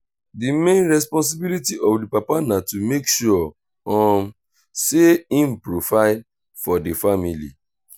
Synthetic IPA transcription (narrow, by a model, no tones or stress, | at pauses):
dimẽnɹɛs̬pɔ̃ns̬ibilitiʔɔfdipapanatumekʃuɔ | ɔ̃m | seĩn̩pɹofaɪ | fɔdifamilḭ